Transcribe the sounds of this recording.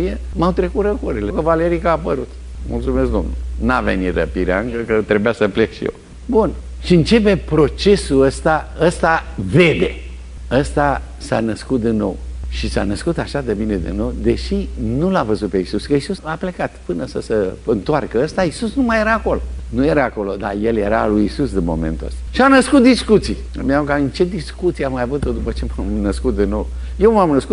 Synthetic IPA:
ijemawt̪ɾe̞kut̪ɾəkoɾelekəvale̞ɾikaːpəɾut̪ | mṵlt̪sume̞skd̪o̞̰mnulnavḛnit̪rə̰piɾea̰ɨŋkəkət̪ɾe̞bujasəplekʃḭḛ | bun | ʃiɨnt͡ʃe̞pe̞pɾo̞t͡ʃe̞suəst̪aəst̪ave̞d̪e̞ | əst̪a | sanəskut̪̚d̪inːo̞̰wʃisa̰nəskut̪aʃad̪ebine̞d̪ḭnːo̞wd̪e̞ʃinulavəzut̪̚peisuskəisusaple̞kat̪pɨnəsəsəɨnt̪oarkəəst̪aisusnumajeɾaːko̞lo̞̰nuje̞ɾaːko̞lo̞̰d̪a̰je̞lje̞ɾa̰lujisusd̪inmo̞̰mḛnt̪uə̰st̪ḁʃianəskut̪̚d̪iskut̪si | miaoɡaɨnt͡ʃe̞d̪iskut̪siamajavut̪o̞d̪upət͡ʃe̞mamnəskut̪̚d̪inːo̞̰w | je̞wmamnəsku

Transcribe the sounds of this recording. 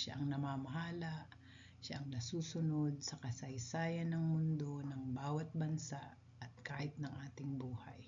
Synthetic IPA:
ʃa̰ʔɐŋnɐmaːmɐɦaːlɐʔ | ʃaʔɐŋnɐsuːsʊno̞d̪̚sɐkɐsɐjsaːjɐnːɐŋmʊnd̪o̞nɐŋbaːwɐt̪̚bɐnsaʔ | ʔɐt̪̚kaːʔɪt̪̚nɐŋʔaːt̪ɪŋbuːhɐ̰j

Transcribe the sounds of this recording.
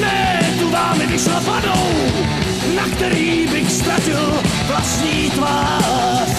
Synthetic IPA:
nɛ | t̪umaːmɪvɪʃlafadow | nakt̪ɛɾiːbɪxst̪ɾacɪl | vlasɲiːt̪vaː

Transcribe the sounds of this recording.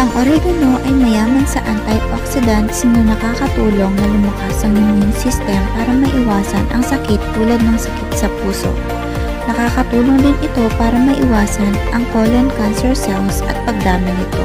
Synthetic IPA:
ʔɐŋʔoɾɛɡɐno̞ʔɐjmɐjaːmɐnsɐʔant̪ɐjʔoksɪd̪ɐnt̪snɐnɐkaːkɐt̪uːlo̞ŋnɐlʊmɐkasɐŋmɐnoŋsɪst̪ɛmɐpaːɾɐmɐʔɪwaːsɐnʔɐ̰ŋsɐkɪt̪ːuːlɐd̪̚nɐŋsɐkɪt̪̚sɐpuːso̞̰ | nɐkaːkɐt̪uːloŋd̪ɪnʔɪt̪o̞paːɾɐmɐʔɪwaːsɐnʔɐŋkolonkansɛɹsɛwsɐt̪̚pɐɡ̚d̪aːmɪnɪt̪o̞̰

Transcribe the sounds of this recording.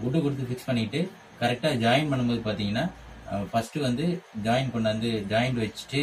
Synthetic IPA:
ʊʈːɯkʊɽɯt̪̬ːɯfɪkspɐɳːɪʈːɯ | kɐɾɛk̚ʈaːd͡ʒaːjɪnpɐɳːɯmboːðɯpaːɾt̪iːŋɡɐnːaːfɐsʈɯʋɐnd̪ɯd͡ʒaːjɪnkɔɳɖɐʋɐnd̪ɯd͡ʒaːjɐɳɖɯʋɐt͡ʃːɯ̥ʈːɯ

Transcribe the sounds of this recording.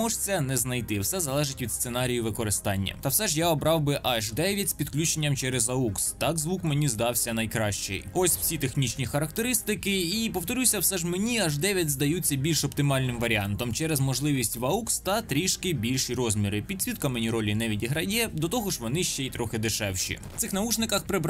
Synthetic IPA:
ɔʒt͡sʲɛnɛznɐjt̪ɪwsɛzɐlˠɛʒɪtʲʋʲid̪st̪senɑɾʲijiʋɪkɔɾɪst̪ɑnʲːɐ̰t̪ɐwsɛʒjaɔbɾɑwbɪʔɐʒd̪ɛʋʲjɐtʲsʲpʲid̪klʲut͡ʃenʲːɐmt͡ʃɛɾɛzɐukst̪ɑkzʋukmenʲizd̪ɑwsʲɐnɐjkɾɑʃt͡ʃɛ̰jɔsʲw̥sʲit̪exnʲit͡ʃnʲixɐɾɐk̚t̪eɾɪst̪ɪkɪipɔwt̪ɔɾʲusʲɐwsɛʒmenʲiɐʒd̪ɛʋʲjɐtʲzd̪ɐjut͡sʲːɐbʲilʲʃɔpt̪ɪmɑlʲnɪmʋɐɾʲiɑnt̪ɔmt͡ʃɛɾɛzmɔʒlˠɪʋʲisʲtʲʋɐukst̪ɐt̪ɾʲiʃkɪbʲilʲʃiɾɔzʲmʲiɾɪpʲid̪sʲʋʲit̪kɐmenʲiɾɔlʲinɛʋʲidʲiɦɾɐjʲɛd̪ɔt̪ɔɦɔʒʋɔnɪʃt͡ʃɛit̪ɾɔxɪd̪ɪʃɛwʃḭ̥sɪxnɐut͡ʃnɪkɐxpɾɪb

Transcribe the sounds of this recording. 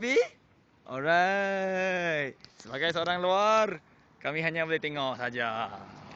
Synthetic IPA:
pi | ʔɔlɾa | jt̪̚səbaɡajsəoɾaŋluar | kamiɦaɲabolɛht̪eŋɔʔsad͡ʒa

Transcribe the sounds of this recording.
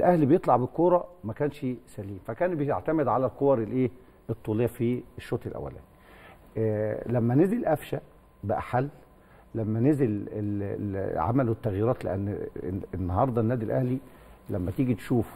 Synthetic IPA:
ʔelʔæhlibejet̪ˤlɑʕbelkoːɾˤɑmækæːnʃsæliːmfækæːnbejeʕt̪æmed̪ʕalælqowɑɾˤelʔeː | et̪ˤːuːlejːæfieʃːoːt̪ˤelʔæ̰wːæ̰læ̰ːn | læmːænezelʔæfʃæ | bæʔæ̰ħalː | æmːænezelelʕa̰mælwet̪ːæɣjiːɾˤɑːt̪lḛʔæ̰n̰ːenːɑhɑɾˤd̪ˤɑnːæːd̪ilʔæhli | læmːæt̪iːɡit̪ʃuːf

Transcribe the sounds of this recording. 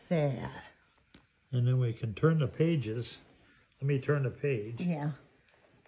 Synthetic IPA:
fɛ̥ | ɨ̃nðə̃nwikʰɨ̃ntʰɜ̃˞nðəpʰeɪd͡ʒɪz̥ | lɛt̚mitʰɜ̃˞nðɨpʰeɪd̥ʒ̥jæ

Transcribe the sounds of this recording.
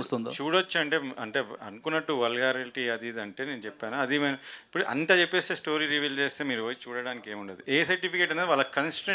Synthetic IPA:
uːst̪und̪it͡ʃuːɽot͡ʃːuɐɳʈe̞ːɐ̰ɳʈeːɐ̰nukunːɐʈːuʋɐlɡaːɾɐliʈiɐd̪id̪ɐɳʈe̞ːneːnut͡ʃɛpːaːnuɐd̪imeːnuipːuɽuʔɐ̰nt̪aːt͡ʃepːeːst̪eːsʈo̞ːɾiːɾiʋiːlt͡ʃeːst̪e̞ːmiːɾuoːt͡ʃuːɽɐɽaːnikeːmuɳʈɐd̪iʔeːsɐɾʈipikeʈɐned̪iʋaːlːɐkɐnsi̥ʈɐ

